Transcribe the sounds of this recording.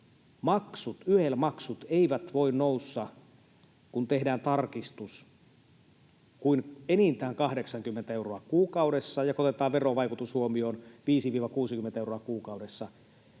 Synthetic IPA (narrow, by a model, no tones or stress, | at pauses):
mɑksut̪yhelmɑksut̪eiʋæt̪ʋoinnousːɑ | kunt̪ehdæːnt̪ɑrkist̪us | kuinenint̪æːŋkɑhde̞ksɑŋkymːent̪æeuroɑkuːkɑudesːɑjɑkot̪et̪ɑːʋʋeroʋɑjkut̪ushuomio̞ːnʋiːsiʋiːʋɑkuːsikyment̪æeuroɑkuːkɑuɾesːɑ